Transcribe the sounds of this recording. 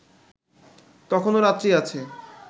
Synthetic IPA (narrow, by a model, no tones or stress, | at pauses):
t̪ɔkʰonoɾat̪ːɾiat͡ɕʰe